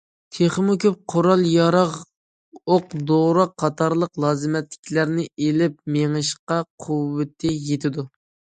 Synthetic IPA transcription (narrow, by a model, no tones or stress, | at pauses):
t̪ʰeχmʊkʲʰøp̚qʰoɾɑlˠjɑɾɑʁ | oqd̪oʁɾɑqʰːɑt̪ʰɑɾlˠəqlˠɑːzɨmɛt̪lɪ̥kʲʰlæɾnɪʔelɪp̚meŋɨʃqɑqʰuwːɪt̪ʰːɪjet̪ʰɪd̪u